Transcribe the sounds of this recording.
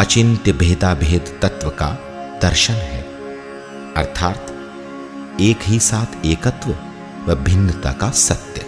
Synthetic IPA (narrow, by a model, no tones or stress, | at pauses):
ɐt͡ʃɪnt̪jəbʱeːt̪aːbʱeːd̪t̪ɐt̪ʋəka̰ | d̪ɐɾʃənɦɛː | ɐ̰ɾt̪ʰaːt̪ | eːkɦisaːt̪ʰeːkət̪ʋə | ʋɐbʱɪnːət̪a̰ːkasɐt̪jə